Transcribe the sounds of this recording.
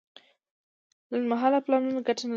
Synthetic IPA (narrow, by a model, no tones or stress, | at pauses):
dənmaɦalaplanunaɡatʰana